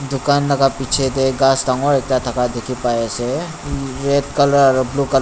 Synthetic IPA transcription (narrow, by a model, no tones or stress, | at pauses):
d̪ʊkaːnːɐɡapiːt͡ʃʰed̪eɡaːst̪ãŋɡõɾeːk̚t̪at̪ʰɐkad̪ekʰipaːese | ɾeːt̪kələɾɔɾblukəl